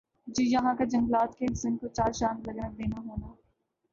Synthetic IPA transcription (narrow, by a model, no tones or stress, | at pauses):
d͡ʒiːjɐɦãkad͡ʒɐ̃ŋɡlaːt̪kesɪ̃nkot͡ʃaːɾʃãːnlɐɡənəkd̪eːnaɦoːnaː